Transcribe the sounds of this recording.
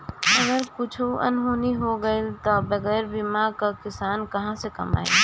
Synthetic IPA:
əɡəɾkʊt͡ʃʰuʔə̰nɦuːniɦoɡəelt̪ɔbəɡɛːɾbimakakɪsaːnkɐɦãsekɐ̰ma̰ːḛ

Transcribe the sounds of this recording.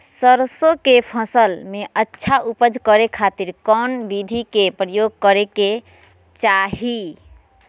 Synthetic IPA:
səɾsokepʰəsəlmeʔətːʃʰaʔupəd͡ʒʱkəɾekʰat̪iɾkɔnbid̪ʱikepɾəjoɡ̚kəɾeke | t͡ʃaɦi

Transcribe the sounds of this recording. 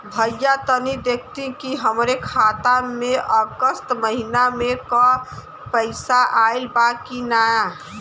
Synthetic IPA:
bʱəjat̪ənid̪ekʰt̪ĩkiɦəmɾekʰat̪ameʔəɡəst̪məɦinamekɔ | pəɪsaʔaɪlbakinaja

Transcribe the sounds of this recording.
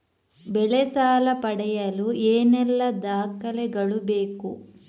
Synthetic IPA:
bɛɭɛsaːlɐpɐɽɛjɐlueːnɛlːɐd̪aːkɐlɛɡɐɭubeːku

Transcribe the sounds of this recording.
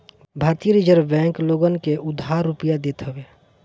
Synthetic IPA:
bʱaːɾt̪ijəɾid͡ʒəɾbɛ̃ːŋkloɡənkeʔʊd̪ʱaɾupəjad̪et̪ɦəbeː

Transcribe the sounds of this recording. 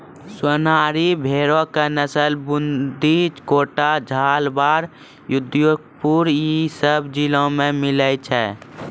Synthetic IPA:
swənaːɾibʱeːɾõkenəsəlbʊnd̪it͡ʃkoːʈad͡ʒʱaːlbaːɾ | jʊd̪joːɡ̚puɾisəbd͡ʒilõmẽmɪlət͡ʃʰɛː

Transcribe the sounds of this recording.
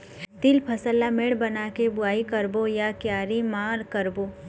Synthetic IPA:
t̪ɪlpʰɐsəlːameɽbɐnakebʊaːikəɾbojakjaːɾimaːɾkəɾboː

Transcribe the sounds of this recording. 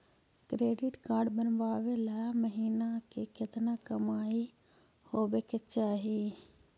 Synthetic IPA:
kɾeːɖɪʈkaːɾɖbənbaːʋeːlɛːməɦiːnaːkekɪt̪naːkəmaːiː | hoːʋeːkɪt͡ʃaːɦiː

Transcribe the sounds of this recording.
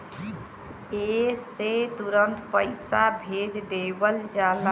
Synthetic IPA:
eset̪uɾənt̪pəɪsabʱed͡ʒd̪ebəld͡ʒala

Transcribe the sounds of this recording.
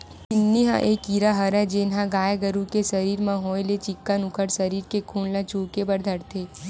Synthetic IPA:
ɪnːiɦã̰ʔeːkiːɾaɦɐɾɛ̃d͡ʒeːnɦãɡaːjeɡəɾukesɐɾiːɾmãɦõːjlet͡ʃɪkːanʊkʰəɽsɐɾiːɾkekʰuːnlãt͡ʃuːkebɐɾd̪ʱɐɾt̪ʰeː

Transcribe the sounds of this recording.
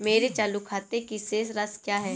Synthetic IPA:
meːɾet͡ʃaːlukʰaːt̪ekiseːsɾɐskjaːɦɛː

